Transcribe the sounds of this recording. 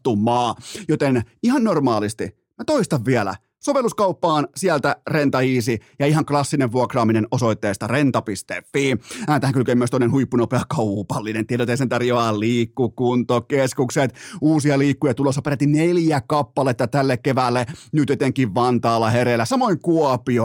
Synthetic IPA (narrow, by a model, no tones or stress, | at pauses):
t̪ːumˑɑːjot̪enihɑnnormɑːlist̪i | mæt̪oist̪ɑʋʋiɛlæ̰ | soʋelːˑuskɑupːɑːnsiælt̪ærent̪ɑiːsijɑihɑŋklɑsːineʋʋuɑkrɑːminenosoit̪ːeːst̪ɑrent̪ɑpist̪ḛfːiːæːt̪æhæŋkylkømːyøst̪oinenhuipːunopeɑkɑupɑlːinent̪ieɾæot̪ːeisent̪ɑrjoɑlliːkːukunt̪okkeskukset̪uːsiɑliːkːujɑt̪ulosːɑperæt̪ːineljækɑpːɑlet̪ːɑt̪ælːekkeʋælːenyt̪jet̪eŋkːˑiʋʋɑnt̪ɑːlːɑheɾelːæsɑmoiŋkuɑpio